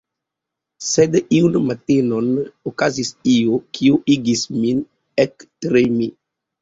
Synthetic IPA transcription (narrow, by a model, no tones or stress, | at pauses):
sɛd̪əʔiwnəmat̪enɔnəokazisiokʰioʔiɡismin | ɛkt̪ɾemi